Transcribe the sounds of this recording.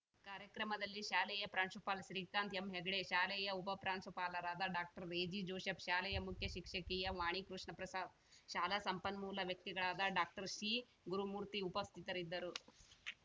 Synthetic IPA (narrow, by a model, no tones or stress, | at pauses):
kaːɾjɐkɾɐmɐd̪ɐlːiʃaːlɛjɐpɾaːɳʂupaːlʃɾiːkaːnt̪emɦeɡɽeʃaːlɛjɐupɐpɾaːɳʃupaːlɐɾaːd̪ɐɖaːk̚ʈɐɾːeːd͡ʒid͡ʒoːʃɐpʃaːlɛjɐmukʰjɐʃikʂɐkiːjɐʋaːɳ̃ikɾuʂɳɐpɾɐsaːd̪̚ | ʃaːlasɐmpɐnmuːlɐʋjɐk̚t̪iɡɐɭaːd̪ɐɖaːk̚ʈɐɾʃiː | ɡuɾumuːɾt̪iupɐst̪ʰit̪ɐɾid̪ːɐɾu